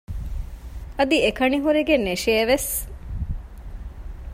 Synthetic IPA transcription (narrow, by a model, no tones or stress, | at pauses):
ɐd̪iekɐniɦuɾiɡeneʃieʋes